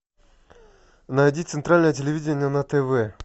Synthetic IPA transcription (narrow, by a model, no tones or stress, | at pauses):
nɐjdʲit̪sɨnt̪ɾalʲnəjətʲɪlʲɪvʲidʲenʲɪjənɐt̪ɛvɛ